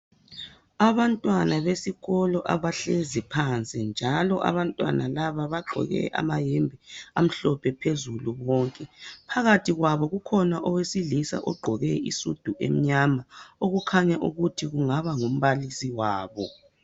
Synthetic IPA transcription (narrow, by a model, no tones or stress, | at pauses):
aβantʼwanaβesiɣɔlɔʔa̰βaɬezipʰant͡sʼind͡ʒʱalɔʔa̰βantʼwa̰nalaβaβaɡ͡ǃʱɔ̰ɣɛ̰ʔa̰majembʱiam̩ɬɔpʰɛpʰezuluβɔːŋkʼɛpʰaɣatʰiɣwaβɔɣukʰɔnaʔɔwesilisa̰ʔɔɡ͡ǃʱɔɣɛḭsud̥ʱuʔḛm̩ɲamaoɣukʰaɲaʔuɣutʰiɣuŋaβaŋum̩βalisiwaːβɔ̰